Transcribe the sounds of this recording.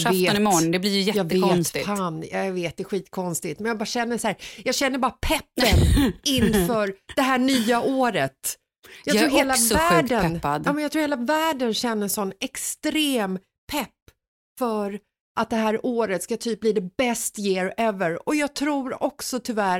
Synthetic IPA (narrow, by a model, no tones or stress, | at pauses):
veːnɪmɔnd̪ɛblɪjjɛjɑːɡ̪veːt̪faːnja̰veːt̪̚d̪ɛɧiːt̪ːkʰɔnst̪ɪt̪mɛnjɑɡbɑːɾɕɛnːəsæːɾjɑːɡɕɛnːəɾbɑːɾapʰɛpːənɪnfœːɾd̪̥ɛɦæːɳyːaʔoːɾət̪ | jɑkt̪ɾuːɾheːlavæːɖənad̪ɑːmɛnjɑt̪ʰɾuːɾheːlavæːɖənɕɛnːəsɔnːɛkst̪ɾeːm | pʰɛpː | fœɾ | ʔat̪̚d̪ɛɦæːɾoːɾət̪skat̪ʰyːp̚bliːd̪ɛbɛst̪jeːɾɛvəɾɔjɑːɡt̪ʰɾuːɾɔksɔt̪ʰʏvæɾ